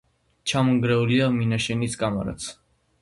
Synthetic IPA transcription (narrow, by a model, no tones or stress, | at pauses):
t͡ʃʰamɔŋɡɾɛuliaminaʃɛniskʼama̰ɾa̰t͡sʰ